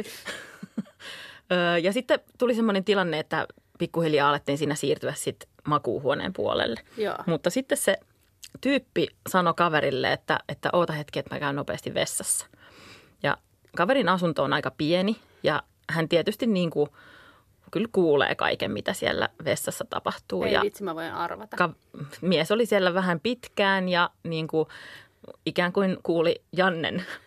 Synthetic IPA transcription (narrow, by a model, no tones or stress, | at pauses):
əːjɑsit̪ːet̪ulisemːonent̪ilɑnːeet̪ːæ̰ | pikːuhiljɑːɑlet̪ːiːnsiːnæsiːrt̪yʋæssit̪ | mɑkṵːhuonḛːmpṵo̰lḛlːej̰mut̪ːɑsit̪ːesse | t̪yːpːisɑnokɑʋeɾilːḛet̪ːæ̰et̪ːæ̰ʔoːt̪ɑhet̪kiet̪mæ̰kæynopḛːst̪iʋʋesːɑsːɑ̥ | jɑ̰ | kɑʋeɾinɑsunt̪oːnɑikɑpieni | jɑ | hænt̪iet̪yst̪inniːŋku | kylkuːlḛːkɑ̰ikḛmmit̪æsiæ̰lːæ̰ʋesːɑsːæt̪ɑ̰pɑht̪uːjɑ̰it̪simæʋoinɑ̰rʋɑt̪ɑkɑ | miesolisielːæʋæhæmpit̪kæːnjɑniːŋku | ikæːŋkuinkuːlijɑnːḛn